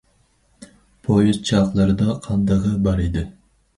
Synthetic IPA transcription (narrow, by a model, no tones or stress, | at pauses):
pʰojuzt͡ʃʰɑqlˠɨɾɨd̪ɑqʰɑnd̪ɑʁəbɑɾid̪ɪ